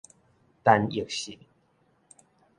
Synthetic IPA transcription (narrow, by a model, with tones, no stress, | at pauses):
t̪a˧ni˨kɕi˨˩n